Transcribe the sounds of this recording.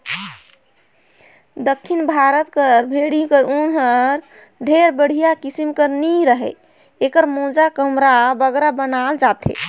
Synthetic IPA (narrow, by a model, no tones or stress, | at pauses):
d̪əkʰːinbʱaɾət̪kəɾbʱeɽikəɾunɦəɾ | ɖʱeɾbəɽ̤ijakisimkəɾniɾəɦɛ | ekəɾmõd͡ʒakəmɾabəɡɾabənald͡ʒat̪ʰḛ